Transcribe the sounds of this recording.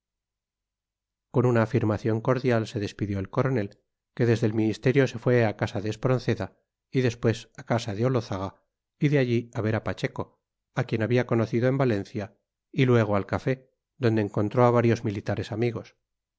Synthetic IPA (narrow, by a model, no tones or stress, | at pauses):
ko̞nunaːfiɾmaθjo̞ŋko̞ɾðjalse̞ðe̞spiðjoelko̞ɾo̞ne̞l | ke̞ðe̞zðelmĩnist̪e̞ɾjo̞se̞fwe̞akasaðeːspɾo̞nθe̞ða | iðe̞spwe̞sakasaðeo̞lo̞θaɣa | iðeaʎiaβe̞ɾapat͡ʃe̞ko̞ | akje̞naβiako̞noθiðoe̞mbale̞nθja | ilwe̞ɣ̞oalkafe̞ | ðo̞nd̪eːŋko̞nt̪ɾo̞aβaɾjo̞zmilit̪aɾe̞samiɣ̞o̞s